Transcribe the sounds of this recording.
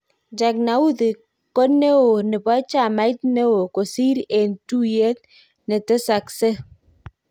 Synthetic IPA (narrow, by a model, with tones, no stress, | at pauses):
d͡ʒa˨k̚na˨˦u˦ðɪ˨ | ko˦ne˦o˨nɪ˨pa˦t͡ʃa˦˨ma˦jtne˦wo˨ko˨si˦ɾe˨ntu˦je˦t̚ | nɪ˨tɪ˦sa˨kse˦